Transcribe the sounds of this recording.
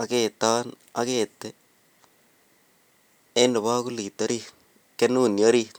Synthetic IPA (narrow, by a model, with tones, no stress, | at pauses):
a˨ke˨t̪a˦n | a˦ke˨t̪ːɛ˦ | e˦nɪ˨βa˦kʊ˦li˨t̪ːa˦ɾi˦ | ke˦nu˦˨nja˦ɾi˦